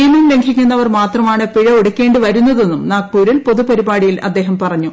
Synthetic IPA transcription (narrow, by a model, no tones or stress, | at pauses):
iːmɐmle̞ŋɡʱikʲːunːɐʋɐrmaːt̪rɐmaːɳɨpiɻɐoɽukʲːe̞ːɳɖɨʋɐɾunːɐðe̞nːumnaːk̚puːɾilpo̞ðupɐɾibaːɽijilɐ̰d̪ːe̞ːɦɐmpɐrɐɲːu